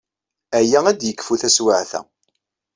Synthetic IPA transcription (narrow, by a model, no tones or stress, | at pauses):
æjææd̪jəkːfuθæswaʕθæ̰